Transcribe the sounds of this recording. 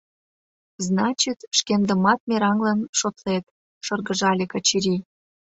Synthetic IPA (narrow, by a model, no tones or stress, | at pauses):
znɑt͡ɕit̪ʃkend̪ə̆mɑt̪̚mʲeɾɑŋlənʃot̪let̪ | ʃɤrɣəʒɑlʲekɑt͡ɕiɾʲi